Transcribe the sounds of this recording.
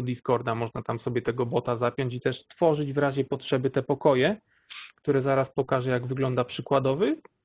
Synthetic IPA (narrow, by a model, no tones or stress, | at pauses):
d̪iskɔɾd̪amɔʐnat̪amsɔbʲjɛt̪ɛɡɔbɔt̪azapʲjɔɲt͡ɕit̪ɛʂt̪fɔʐɘd͡ʑvɾaʑɛpɔtʂɛbɘt̪ɛpɔkɔjɛ | kt̪uɾɛzaɾaspɔkaʐɛjaɡvɘɡlɔnd̪apʂɘkwad̪ɔvɘ